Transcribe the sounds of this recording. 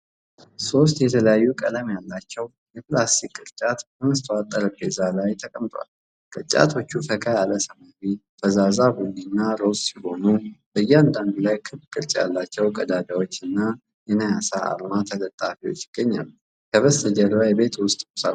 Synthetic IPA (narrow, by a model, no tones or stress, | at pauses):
so̞st̪jɛt̪ʰələjajːukʼələmjalːat͡ʃːɛw | jɛplasikʼːɨɾt͡ʃʼat̪əməst̪ʰat̪ʼːəɾəbezalajt̪ʰəkʼəmt̪ʰʼowa̰l | kʼɨt͡ʃʼa̰t̪ʰo̞t͡ʃːufəkʰajaləsəmaɾit̪ʰəzazabuninːaɾo̞ssiho̞nub̥əjːɛand̪and̪ulajkʰɨβkʼɨɾt͡ʃʼja̰lːat͡ʃːɛwkʼəd̪ad̪awo̞t͡ʃːɨnːa | jɛnəjasaʔa̰lmat̪ʰələt̪ʼafiwo̞̰t͡ʃːjɪɡ̥ːəɲːa̰lːu | kʰəβəsəd͡ʒəlajbe̞t̪ʰwʊst̪ʼmusa̰